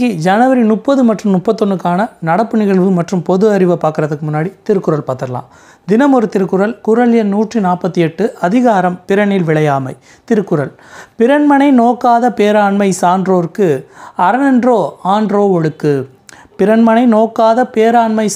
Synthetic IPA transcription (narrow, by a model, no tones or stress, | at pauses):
ɣid͡ʒɐnɐʋɐɾinʊpːɐðɯmɐʈrɯmnʊpːɐt̪ːɔɳːɯkːaːnɐnɐɽɐpːɯnɪɣɐɭʋɯmɐʈrɯmpɔðɯɐɾɪʋɐpːaːɾkɯɾɐðɐkːɯmʊnːaːɽit̪ɪɾɯkːɯɾɐɭpaːt̪ːɐɾɐla̰ːm | d̪ɪnɐmɔɾɯt̪ːɪɾɯkːɯɾɐlkʊɾɐɭjɐnuːʈrinaːpːɐt̪ːiɛʈːɯʔɐðɪɣaːɾɐmpɪɾɐɳɪlʋɪɭɐjaːmɐɪ | t̪ɪɾɯkːɯɾɐl | pɪɾɐɳmɐnɐɪnoːkːaːðɐpeːɾaːɳmɐɪsaːndroːɾkɯɐɾɐnɛndroːaːnɖroːɔɽɯkːɯ | pɪɾɐnmɐnɐɪnoːkːaːðɐpeːɾaːɳmɐɪ